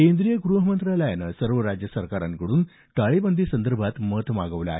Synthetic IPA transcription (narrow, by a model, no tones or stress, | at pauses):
end̪ɾijəɡɾuɦəmənt̪ɾaləjnəsəɾʋəɾad͡ʑjəsəɾkaɾa̰ŋkəɽuːn | t̪aɭebənd̪ʱisənd̪əɾbʱat̪mət̪ma̰ɡəʋla̰ːe